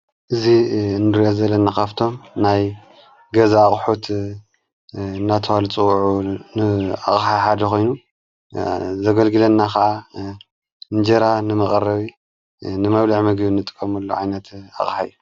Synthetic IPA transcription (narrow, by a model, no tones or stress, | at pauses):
ʔɨzinɨɾijozɐlːɐnakʰaβt̪ʰo̞mnaj | ɡɐzaːχʼħot̪ | ɨnːat̪ʰɐwalɨt͡sʼɨwʕunɨa̰χʼħaħad̪ɐko̞jnu | zɐɡɐlɡɨlɐnːakʰɐʔa | ɨnd͡ʒeɾanɨmɐkʼɐɾɐβi | nɨmɐβlaʕmɐɡβinːɨt̪ʼɨ̥kʼːɐmɐlːoʕajnɐt̪a̰χʼħa̰jːu